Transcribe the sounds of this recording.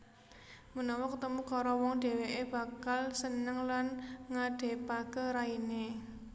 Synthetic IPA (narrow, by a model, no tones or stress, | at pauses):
mənɔwɔkət̪əmukɔɾɔwɔŋɖ̪̥e̤ɛ̤weʔeb̥ä̤kalsənəŋlanŋaɖ̥e̤paɡ̥əɾaine